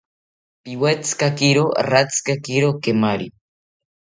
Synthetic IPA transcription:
piwet͡skakiɾo̰rat͡skakiɾokemaɾi

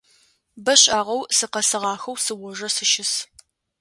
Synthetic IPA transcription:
bɐɕʼaːʁɐwsɨqɐsɨʁɑːxɐwsɨwɔʒɐsɨʃɪs

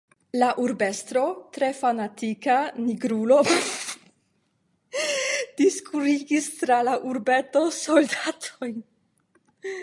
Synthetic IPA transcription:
laʔuɾbe̞st̪ɾo̞t̪ɾe̞fanatikaniɡɾulo̞ | d̥iskuɾiɡist̪ɾalaʔuɾbe̞to̞so̞ldatʰoj

